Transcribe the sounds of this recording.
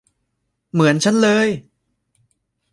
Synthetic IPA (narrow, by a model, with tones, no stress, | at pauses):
mɯ˩˦ənt͡ɕʰa˦˥nlɤː˧j